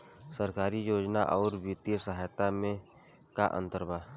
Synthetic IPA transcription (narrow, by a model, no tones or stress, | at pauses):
səɾkaːɾijoːd͡ʒnaʔɔːɾwit̪ijəsəɦaːjt̪amẽ | kaʔə̰̃nt̪əɾbʱaː